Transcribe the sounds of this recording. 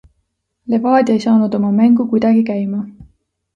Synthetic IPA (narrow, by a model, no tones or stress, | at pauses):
le̞vɑːd̪ʲe̞jsɑːnud̪o̞mɑmæŋɡ̥ukujd̪̥ɑɡikæjmɑ